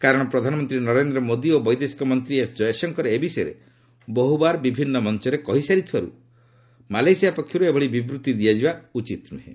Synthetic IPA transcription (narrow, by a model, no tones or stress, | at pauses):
kaɾɔɽ̃ɔpɾɔd̪ʱanɔmɔnt̪ɾinɔɾend̪ɾɔmod̪iobɔjd̪esi̥kɔmɔnt̪ɾiesd͡ʒɔjesɔŋkɔɾeebisɔjɾḛ | bɔɦubaɾbibʱinːɔmɔnt͡ʃɔɾekɔɦisaɾit̪ʰibaɾṵ | malajsijapɔkʰjɔɾuebʱɔɭibibɾut̪ːid̪ijad͡ʒibaut͡ʃit̪nuɦẽ